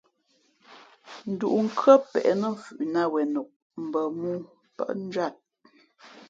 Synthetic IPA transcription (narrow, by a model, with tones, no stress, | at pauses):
n̩˨du˨ʔŋ̩˦˨kɰə˦pɛ̰˨ʔɛ˨nə˦m̩˦˨fʉ̰˨ʔna˦wɛ˨nu˨k̚ | m̩˨bə˨mu˦ | pə̰˦ʔn̩˦d͡ʒɥa˦˨t̚